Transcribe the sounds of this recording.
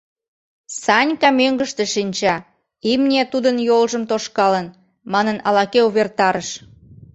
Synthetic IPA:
sɑnʲkɑmøŋɡəʃt̪eʃinʲt͡ɕɑ | imnʲet̪ud̪ənjolʒəmt̪oʃkɑlən | mɑnənɑlɑkeuβert̪ɑɾəʃ

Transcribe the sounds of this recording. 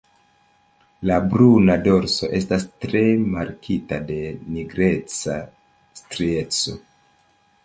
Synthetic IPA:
labɾunado̞ɾso̞̰ʔe̞stastɾe̞maɾkʰitade̞niɡɾe̞t͡sa | stɾie̞t͡so̞̰

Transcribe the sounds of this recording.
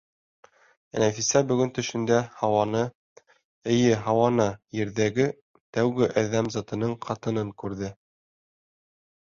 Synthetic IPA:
næfisæbɵ̆ɡɵnt̪ɵ̆ʃɘ̆nd̪æhɑwɑnɤ | ɘ̆jɘɦɑwɑnɑjɘ̆ɾðæɡɘ | t̪æwɡɘʔæðːæmzɑt̪ɤ̆nɤɴqʰɑt̪ɤ̆nɤŋkʉɾðɘ

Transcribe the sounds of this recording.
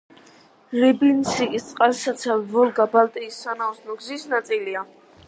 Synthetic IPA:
ɾibinsiist̪sʼqʼazsat̪sʰavɔlɡabalt̪ʼiːsːanausnɔɡzisnat̪sʼilia

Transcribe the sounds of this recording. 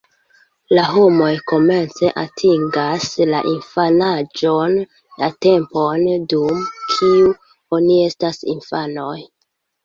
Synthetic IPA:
laɦo̞mo̞jko̞me̞nt͡se̞ʔatʰiŋɡasla̰ʔinfanad͡ʒo̞nː | ate̞mpo̞ndumkʰiu | o̞nie̞stasḭnfano̞j

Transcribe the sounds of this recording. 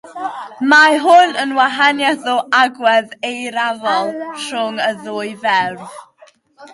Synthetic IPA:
maɦʊnənwaɦanjaðʊaɡwɛðejɾavɔlˠrʊŋəðʊːjvɛrv

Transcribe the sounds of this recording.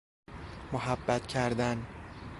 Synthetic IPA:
moɦæbːæt̪cʰæɾd̪æn

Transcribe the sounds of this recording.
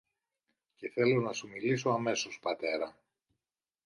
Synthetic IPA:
ceθe̞lo̞nɐsumiliso̞ɐme̞so̞spɐt̪e̞ɾɐ

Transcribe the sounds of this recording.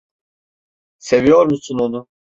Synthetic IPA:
se̞vijo̞ɾmusunonu

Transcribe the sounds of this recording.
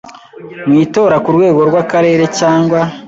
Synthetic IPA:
mwiːto̞ːɾakuɾɡwe̞ːɡo̞ɾɡwakaɾe̞ːɾe̞caːŋɡwa

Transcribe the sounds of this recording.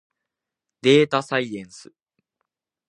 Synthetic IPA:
d̪̥e̞ːt̪asaiẽ̞ɰ̃sɨ

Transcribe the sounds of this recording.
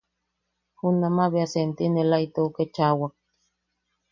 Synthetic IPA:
hunamaβeasent̪inelajt̪ouket͡ʃawak̚

